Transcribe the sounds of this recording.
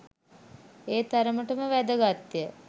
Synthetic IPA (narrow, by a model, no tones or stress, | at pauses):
eːt̪aɾəməʈəməʋæd̪əɡat̪ːjə